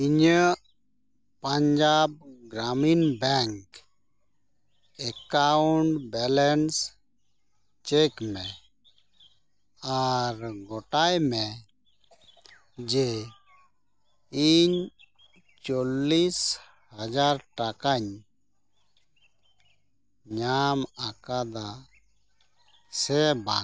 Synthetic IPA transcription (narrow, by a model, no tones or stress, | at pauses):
iɲə | pəɲd͡ʒab̚ɡɾaminbɛŋk | ɛkauɳɖbɛlɛns | t͡ʃekmɛ̃ | aɾɡɔʈajmɛ | d͡ʒe | iɲ | t͡ʃɔlːis | had͡ʒaɾʈakaɲ | ɲamakad̪a | sɛba